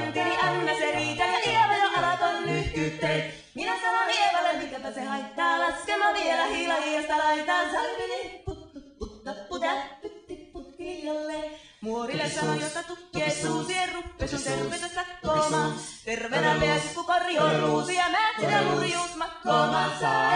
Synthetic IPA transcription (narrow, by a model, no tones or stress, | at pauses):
nt̪iniʔænːæseniːt̪æneʔieʋæjoʔɑlɑt̪onnyhk̪yt̪ːe | minæsɑnonieʋɑsemmit̪epæsehɑit̪ːɑːlɑskemɑnielæhilɑjiɑst̪ɑlɑit̪ɑːsɑ | ut̪ː | lːeː | muorilːessɑnojot̪ːɑt̪ukːet̪suːsierrupːeskunt̪erpːest̪ɑsɑkːoːmɑːt̪erʋenæpeæsik̪kukorjoːruːsiɑmæːt̪ːejæmurjuːsmɑkːoːmɑːsɑ